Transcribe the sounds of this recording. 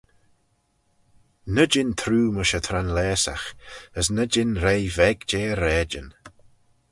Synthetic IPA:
nəd͡ʒɪnt̪ʰɾuːməʃət̪ʰɾanlɛːsa̰xəsnəd͡ʒɪnɾeːvɛɡd͡ʒeːəɾɛːd͡ʒən

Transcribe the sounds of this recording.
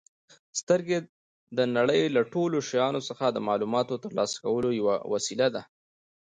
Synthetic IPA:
st̪əɾɡe | d̪ənaɽəjlaʈoloʃajɑnosəxad̪əmɑlumɑt̪ot̪əɾlɑsḁkawəlojawa̰wasilad̪a

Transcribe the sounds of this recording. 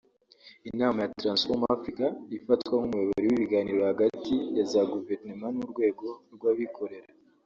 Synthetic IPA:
inaːmajatɾansfomafɾikaifatwaŋumujeβeɾiwiβiɡaːniːɾo̞haɡatijazaɡuveɾnimanuɾɡwe̞ːɡo̞ɾɡwaβikʰo̞ɾe̞ɾa

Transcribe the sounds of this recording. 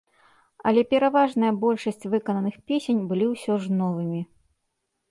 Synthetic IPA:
ɐ̰lʲɛpʲɛɾavaʐnɨjɐbɔlʲʂɐsʲt͡sʲvɨkɐnɐnɨxpʲesʲenʲbɨlʲiwsʲɔʐnɔvɨmʲi

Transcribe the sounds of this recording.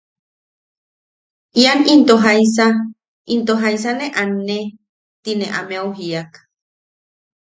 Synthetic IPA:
ianint̪oɦajs̬a | int̪oɦais̬aneʔanːe | t̪ineʔamẽawɦiak

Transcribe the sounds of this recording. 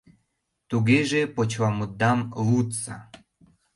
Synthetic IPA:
t̪uɣeʒepot͡ɕβɑmud̪̚ːɑmlut̪sɑ̰

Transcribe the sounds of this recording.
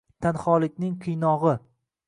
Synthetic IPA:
t̪ʰanχɒlˠɪkʲnɪŋqʰɨjnɒʁɨ

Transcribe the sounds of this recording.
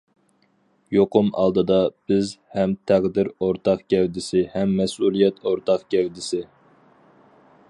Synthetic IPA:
joqʰʊmɑ̰lˠd̪ɨd̪ɑb̥ɪzhɛmt̪ʰæʁd̪ɪɾoɾt̪ʰɑqkʲɛwd̪ɪsɪhɛmːɛsulˠijɛt̪oɾt̪ʰɑqkʲɛwd̪ɪsɪ

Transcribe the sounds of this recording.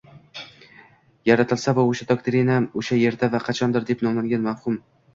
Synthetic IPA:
jaɾat̪ʰɪlsavaoʃad̪ɒk̚t̪ʰeɾinamoʃaje̞ɾd̪avaqʰɑt͡ʃʰɒnd̪ɪɾd̪e̞pnɒmlaŋɡʲanmafhʊm

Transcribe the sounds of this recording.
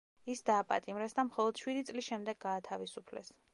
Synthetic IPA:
isd̪aːpʼa̰t̪ʼimɾɛsd̪amχɔlˠɔd̪̥ʃwid̪it̪sʼlisʃɛmd̪ɛɡaːt̪ʰavisupʰlɛ̰s

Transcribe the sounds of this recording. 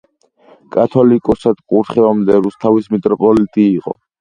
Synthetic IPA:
kʼat̪ʰɔlikʼɔsad̪̥kʼuɾt̪χɛɔmd̪ɛɾust̪ʰavismit̪ʼɾɔpʼɔlit̪ʼiːqʼɔ̰

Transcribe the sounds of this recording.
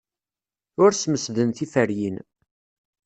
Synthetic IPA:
ʊɾsməsðənθifəɾjin

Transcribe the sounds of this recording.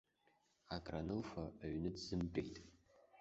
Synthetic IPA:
akʼranɨlfaːɥnɨdzɨmpʼḛjtʼ

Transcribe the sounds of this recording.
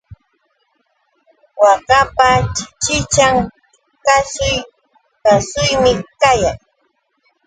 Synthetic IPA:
wɑɢɑpat͡ʃɪt͡ʃaŋ | kasʊj | kasʊjmɪkajaŋ

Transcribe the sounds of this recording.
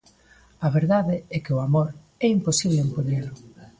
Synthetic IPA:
ɐβeɾðaðɪɛkeoamoɾ | ɛimposiβleːmpoɲelʊ

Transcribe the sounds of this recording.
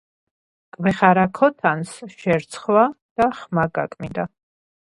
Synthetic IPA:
kʼvɛχaɾakʰɔt̪ʰansʃɛɾt̪sʰχwad̪̥aχmaɡa̰kʼmind̪a

